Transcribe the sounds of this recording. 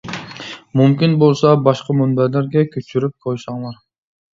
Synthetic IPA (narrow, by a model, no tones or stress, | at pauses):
mymkʲinbolˠsɑbɑʃqɑmunbæleɾɡʲekʰʲøt͡ʃyɾyp̚qʰojsɑɴlˠɑɾ